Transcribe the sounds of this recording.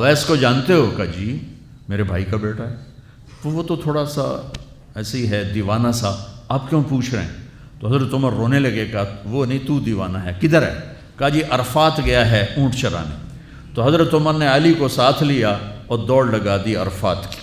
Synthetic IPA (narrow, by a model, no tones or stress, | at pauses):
ɐʋɛːskod͡ʒaːnt̪eɦokaːd͡ʒiː | meːɾebʱaːikabeːʈaɦɛː | ʋoʋot̪ot̪ʰoːɽasa̰ | ɛːsiɦɛd̪iːʋaːnasaaːp̚kjõːpuːt͡ʃʰɾeeḛ̃ | t̪oɦɐzɾət̪ːʊməɾːoːnelɐɡekːʋonɐɦĩt̪ud̪iːʋaːnaɦɛkɪd̪əɾɛ̰ː | kad͡ʒiːʔɐɾfaːt̪ɡɐjaɦɛũːʈʰt͡ʃeɾa̰ːnḛ | t̪oɦɐzɾət̪ːʊməɾneaːlikosaːt̪ʰlijaɔːɾd̪ɔːɽlɐɡaːd̪iɐɾfaːt̪ki̥ː